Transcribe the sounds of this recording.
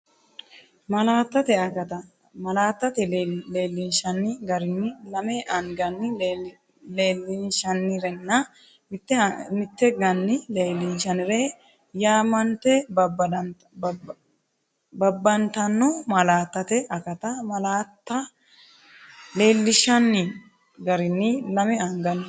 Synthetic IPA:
mɐlaːt̪ːɐt̪ɛɐkɐt̪ɐ | mɐlaːt̪ːɐt̪ɛleːlːɪnʃɐnːɪɡɐɾɪnːɪlɐmeːʔɐnɡɐnːɪ | leːlːɪnʃɐnːɪɾɛnːɐ | mɪt̪ːɛmɪt̪ːɛɡɐnːɪleːlːɪnʃɐnɪɾeː | jaːmɐnt̪ɛb | bɐbːɐnt̪ɐnːomɐlaːt̪ːɐt̪ɛʔɐkɐt̪ɐmɐlaːt̪ːɐ | le̞ːlːɪʃɐnːɪ | ɡɐɾɪnːɪlɐmɛɐŋɡɐnː

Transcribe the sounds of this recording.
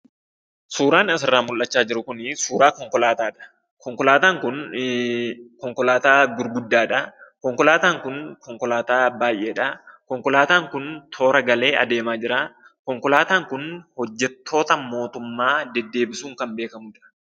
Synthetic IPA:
suːɾaːnɐs̬ɪrːaːmʊlʔːɐt͡ʃːaːd͡ʒɪɾʊkʊnsuːɾaːkɔŋkɔlaːt̪aːᶑɐ̥ | kɔŋkɔlaːt̪aːŋkʊn | kɔŋkɔlaːt̪aːɡʊɾɡʊd̪ːaːᶑɐkɔŋkɔlaːt̪aːŋkʊnkɔŋkɔlaːt̪aːbaːjʔe̞ːᶑɐkɔŋkɔlaːt̪aːŋkʊnt̪ʰo̞ːɾɐɡɐle̞ːʔɐ̰d̪e̞ːmaːd͡ʒɪɾa | kɔŋkɔlaːt̪aːŋkʊnhɔd͡ʒːɛt̪ʰːo̞ːt̪ɐmo̞ːt̪ʊmːaːd̪ɛd̪ːe̞ːbɪsuːŋkɐmbe̞ːkɐmʊd͡ʒɪɾɐ̥

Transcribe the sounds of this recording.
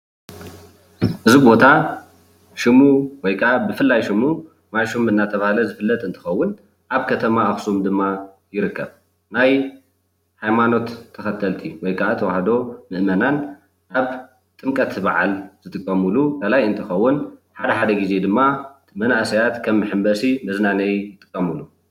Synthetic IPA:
ʔɨzibo̞t̪ʰa | ʃɪmuwɔjkʰaʔabɨfɨlːajʃimu | majʃumɨnːat̪ʰɐβahlɐzɨfɨlːɐt̪ʼɨnt̪ʰɨ̥xɐwːʊn | ʔaβkʰɐt̪ʰɐmaaxsumd̪ɨmːa | jɪɾɨkʰːɐβ | naj | hajmano̞t̪ʰːɐxɐt̪ʰɐlt̪ʰiwɔjkʰaʔat̪ʰɐwahd̪o̞mɨʔmɐnan | ʔaβ | t̪ʼɨmkʼɐt̪baʕa̰lz̥ɨt̪ʼɨkʼːɐmulukalajɨnt̪ʰɨxɐwːʊnħad̪ɐħad̪ɐɡize̞d̪ɨmːa | mɐnaʔsɐjat̪kʰɐmːɨħɨmbɐsimɐznanɐjjɪt̪ʼɨ̥kʼːɐmulu

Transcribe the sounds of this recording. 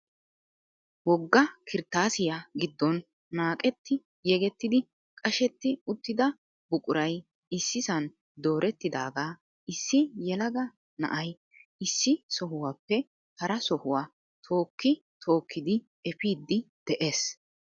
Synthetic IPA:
wɔɡːɐkʰɪɾt̪aːsɪjaɡɪd̪ːɔnː | aːkʼɛt̪ːɪ | jɛɡɛt̪ːɪd̪ɪ | kʼɐʃɛt̪ːɪʊt̪ːɪd̪ɐ | bʊkʼʊɾɐj | ɪsːɪsɐn | d̪o̞ːɾʔɛt̪ːɪd̪aːɡaː | ɪsːɪjɛlɐɡɐ | nɐ̰ʔɐj | ɪsːɪsɔɦʊwaːpːɛ | hɐɾɐsɔhʊwaː | t̪ʰo̞ːkːɪ | t̪ʰo̞ːkʰːɪd̪ɪ | ɛpiːd̪ːɪd̪̥ɛʔeːs

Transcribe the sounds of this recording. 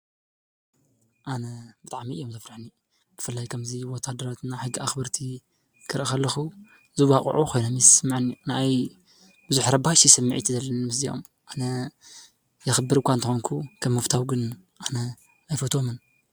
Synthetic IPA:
ʔanɐbɨt̪ʼaʕmiʔɨjomzɐfɾɨħni | b̥ɨfɨlːajkʰɐmziwot̪ʰad̪ɐɾat̪ɨnːaħɨɡːiaxbɐɾt̪ʰi | kʰɨɾʔɐxɐlːɐxu | zɨwakʼʕukʰo̞jnomjɛssmːaʕnijunaʔaj | b̥ɨzuħɾɐbaʃisɨmːɨʕḭt̪ʰizɐlːɐnnmɨszijo̰m | ʔanɐ | jɛxɨbːɨɾɨkʷant̪ɨxoŋkʰukʰɐmːɐft̪ʰawɡɨn | ʔanɐ | ajfot̪ʰo̞mɨn

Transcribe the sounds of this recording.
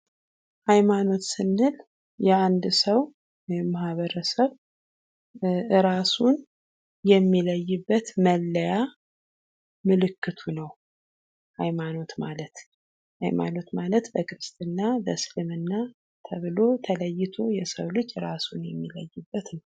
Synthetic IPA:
hajmano̞t̪sɨnːɨl | jɛand̪səw | mahβəɾəsəβ | ɨɾasun | jɛmːiləjːɨbːət̪məlːəja | mɨlɨkːɨt̪ʰunəw | ha̰jmano̞t̪malət̪ | ha̰jma̰no̞t̪malət̪bəkɨɾɨst̪ʼɨnːabəslɨmɨnːa | t̪ʰəβɨlo̞t̪ʰələjːɪt̪ʰo̞jɛsəwlɨd͡ʒːɨɾasunjɛmːiləjːɨbːət̪nəw

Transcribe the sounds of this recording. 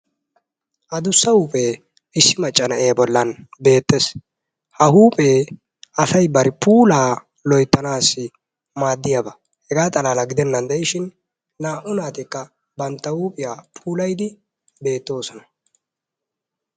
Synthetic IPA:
ʔɐd̪ʊsːɐhuːpʼe | ɪsːɪmɐt͡ʃʼːɐnɐʔebɔlːɐnbe̞ːt̪ːes | hɐhuːpʼeː | ʔɐsɐjbɐɾɪpʰuːlaː | lɔjt̪ːɐnaːsːɪ | maːd̪ːɪjɐbɐ | hɛɡaːt̪ʼɐlaːlɐɡɪd̪ɛnːɐnd̪ɛjɪʃɪnː | aːʔʊnaːt̪ɛkːɐ | bɐnt̪ːɐhuːpʼɪjaːpʰuːlɐjd̪ɪ | be̞ːt̪ːo̞ːsɔnɐ

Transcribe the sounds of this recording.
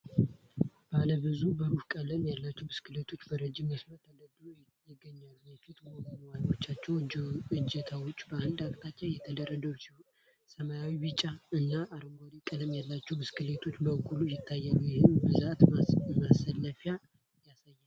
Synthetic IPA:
b̥aləbɨzubəɾufkʼələmjalːat͡ʃːɛwbɨskɨlet̪ʰo̞t͡ʃːbəɾəd͡ʒimːəsməɾt̪ʰəd̪əd̪ɾu | jɪɡːəɲːalːujɛfit̪ɡoɡənwano̞t͡ʃːat͡ʃːɛwɨd͡ʒɛt̪ʰawʊt͡ʃʼːbəand̪akt̪ʰat͡ʃːajɛt̪ʰəd̪əɾːəd̪əwsi | səmajawibɨt͡ʃʼːaɨnːaʔaɾəŋɡʷad̪ikʼələmjalːat͡ʃːɛwbɨskɨlet̪ʰo̞t͡ʃːbəɡʼulujɪt̪ʰːajːalːujɪhɨnbɨzat̪masəlːəfja | jasajːa

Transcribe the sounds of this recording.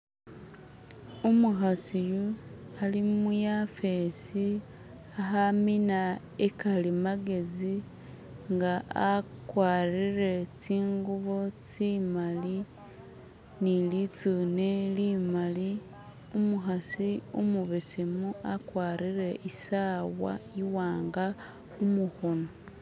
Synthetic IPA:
umuxasijualimujafesi | aɦamina | ekalimaɡe̞zi | ŋɡaʔakwaːrire̞t͡siːŋɡuβo̞t͡simali | nilit͡suːnelimali | umuxasiumuβesimuakwaːɾiɾe̞isawa̰iwaːŋɡa | umuxo̞no

